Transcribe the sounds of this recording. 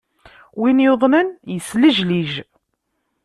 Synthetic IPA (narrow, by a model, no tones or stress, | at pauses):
winjoðˤnənjəsləʒliʒ